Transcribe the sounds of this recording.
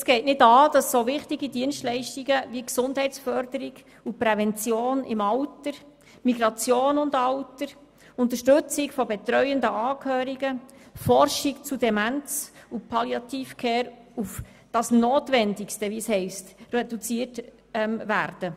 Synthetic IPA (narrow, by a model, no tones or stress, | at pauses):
sɡ̥ɛɪtnɪdɑːd̥ɑsːoʋɪχtiɡidiənstlɛɪʃtiɡəʋiksʊnd̥hɛɪt͡sfœɾd̥əɾiɡ | upɾɛvɛnt͡sjoːnɪ̰mɑwtəɾ | miɡɾɑt͡sjoːnʊndɑwtəɾ | ʊnt̪̬əɾʃtɵt͡sɪkfɔbɛt̪ɾœʏəndəʔɑːkhøːɾiɡəfɔrʃikt͡sudɛmænt͡supʰɑljɑt̪iːfkʰeːɾ | uf | d̥ɑsnoːtʋɛndikstəʋishɛɪstrɛdut͡siːəɾt | ɛmvæ̰ːɾd̥ə